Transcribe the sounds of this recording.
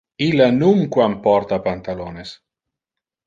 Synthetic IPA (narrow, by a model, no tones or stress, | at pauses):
ilːanuŋkwampɔɾt̪apant̪alones